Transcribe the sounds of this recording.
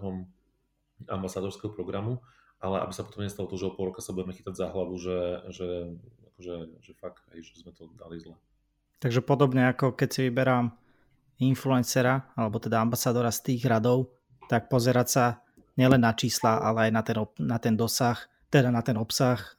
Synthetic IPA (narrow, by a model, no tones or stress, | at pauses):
ɦɔm | a̰mbasaːd̪ɔɾskɛɦɔpɾɔɡɾamu | ʔalɛa̰bisapɔt̪ɔmɲɛst̪alɔt̪ɔʒɛɔpɔlˠɾɔkasabuɟɛmɛxit̪aɟzaɦlaʋuʒɛʒɛakɔʒɛʒɛfaɡa̰jʒɛbizmɛt̪ɔd̪a̰lizlɛ | t̪aɡʒɛpɔd̪ɔbɲɛakɔkɛcsiʋibɛɾam | influɛnsɛɾaalɛbɔt̪ɛd̪aambasaːd̪ɔɾast̪iːɣɾad̪ɔʊ | t̪ak̚pɔzɛɾasa | ɲɪɛlɛnːat͡ʃiːslaʔa̰lɛajnat̪ɛnɔnat̪ɛnd̪ɔsax | t̪ɛd̪anat̪ɛnɔpsax